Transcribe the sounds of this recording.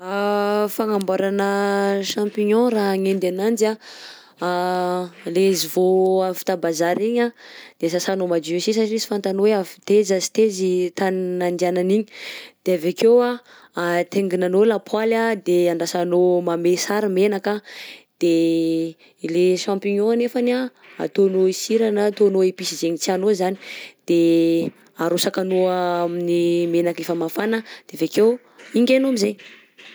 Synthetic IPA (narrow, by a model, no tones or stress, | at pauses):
afaŋambaɾanəʃãmpiɲɔ̃ɾaɦŋend̪anand͡za | lezivoavi̥t̪abazaɾiɲad̪̥esasanomad͡ʒusis̬aʈ͡ʂinizi̥fant̪anoweavi̥t̪ezazi̥t̪ezit̪annand̪iananiɲi̥d̪̥eavakewa | t̪eŋɡinanolapwalad̪eaɳɖ͡ʐasanomamesaɾimenakad̪̥e | ileʃãmpiɲoanefana | a̰t̪onoisiɾanat̪onoepisizeɲit͡sianozani̥d̪̥e | aɾusakanoaminimenakefəmafanəd̪̥eveke | iŋɡʲenamizej